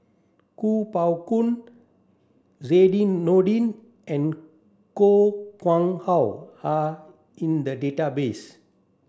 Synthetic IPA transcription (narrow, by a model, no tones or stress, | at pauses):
kupawkũn | ɹedĩnːoɖĩn | ɛ̃n | kokwãŋhawha | ĩnd̪ədetabes